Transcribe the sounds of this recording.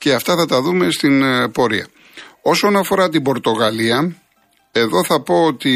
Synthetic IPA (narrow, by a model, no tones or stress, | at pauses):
ceɐft̪ɐθɐt̪ɐðume̞st̪inpo̞ɾḭɐ̰ | o̞so̞nɐfo̞ɾɐt̪ibo̞ɾt̪o̞ɣɐliɐ | e̞ðo̞θɐpo̞ot̪i